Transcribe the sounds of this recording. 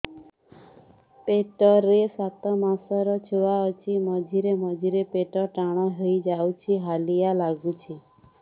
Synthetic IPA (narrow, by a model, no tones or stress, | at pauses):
peʈɔɾesat̪ɔmasɔɾɔt͡ʃʰeʋaɔt͡ʃʰimɔd͡ʒʱiɾemɔd͡ʒiɾepeʈɔʈaɽ̃aɦəid͡ʒawt͡ʃʰiɦalijalaɡut͡ʃʰi